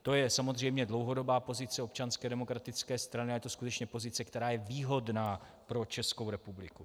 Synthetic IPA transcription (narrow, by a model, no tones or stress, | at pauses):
t̪o̞jɛsamo̞zr̝ɛjmɲɛdlowɦo̞do̞baːpo̞zɪt͡sɛo̞pt͡ʃanskɛdɛmo̞kɾat̪ɪt͡skɛːst̪ɾanɪajɛt̪o̞skut̪ɛt͡ʃɲɛpo̞zɪt͡sɛkt̪ɛɾaːjɛviːɦo̞dnaː | pɾo̞t͡ʃɛsko̞wɾɛpublɪku